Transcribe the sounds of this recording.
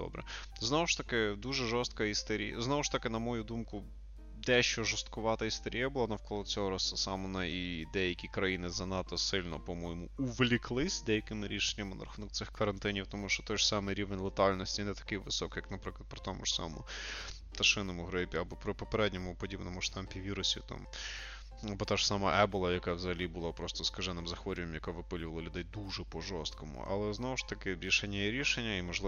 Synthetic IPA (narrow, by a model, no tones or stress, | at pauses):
d̪ɔ̰bɾɛ̰ | znɔʋʊʃt̪ɐkɪd̪uʒɛʒɔst̪̚kɐist̪ɛɾʲḭj̰znɔʋʊʃt̪ɐkɪnɐmɔjud̪umkʊ | d̪ɛʃt͡ʃɔʒɔst̪kʊʋɑt̪ɐist̪ɛɾʲijɐbʊlˠaɑnɐwkɔlˠɔt͡sʲɔɦɔɾɑsɐsɑmɔnɐid̪ɛjɐkʲikɾɐjinɪzɐnɑt̪ɔsɪlʲnɔpɔmɔjɪmʊuʋlʲiklˠɪsʲd̪ɛjɐkɪmɪɾʲiʃenʲːɐmɪnɐ̰ɾɐxunɔk̚t̪sɪxkɐɾɐnt̪ɪnʲiwt̪ɔmuʃt͡ʃɔt̪ɔjʒ̥sɑmɪjɾʲiʋenʲlˠet̪ɑlʲnɔsʲtʲinɛt̪ɐ̥kɪjʋɪsɔkjɐknɐpɾɪklˠɐd̪̚pɾɪ̥t̪ɔmʊ̰ʃsɑ̰mɔ̰mʊ | t̪ɐʃɪnɔmʊɦɾɪpʲiɐbɔpɾɪpɔpeɾɛdʲnʲɔmʊpɔdʲibnɔmʊʃt̪ɑmpʲiʋʲiɾʊsʲḭt̪ɑ̰m | ɐbɔt̪aʒ̥sɑmɐʔɛbʊlˠɐjɐkaʋzɐɦɐlʲibʊlˠapɾɔst̪ɔskɐʒɛnɪmzɐxʋɔɾʲʊʋɛmjɐkaʋɪpɪlʲʊʋɐlˠɐlʲʊd̪ɛjd̪uʐɛpɔʒɔst̪̚kɔmʊ̰ʔɐ̰lˠɛznɔʋʊʂt̪ɐkɪɾʲiʃenʲːɐjiɾʲiʃenʲːɐimɔʒlˠɪ